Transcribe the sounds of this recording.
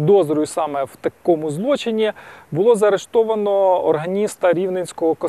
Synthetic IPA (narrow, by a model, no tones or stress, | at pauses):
d̪ɔzɾʊjʊsɑmɛwt̪ɐkɔmʊzlˠɔt͡ʃenʲːibʊlˠɔzɐɾeʃt̪ɔʋɐnɔɔ̰rɦɐnʲist̪ɐɾʲiwnenʲsʲkɔɦɔkɔ